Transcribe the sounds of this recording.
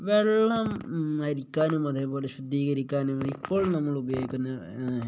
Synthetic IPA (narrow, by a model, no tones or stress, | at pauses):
ʋeɭːɐmɐɾikʲːaːnumːɐd̪ʱeboːleɕud̪ːiːɣɐɾikʲːaːnumɐipːoːɭnɐmːɐɭubɐjoɡikʲːunːɐ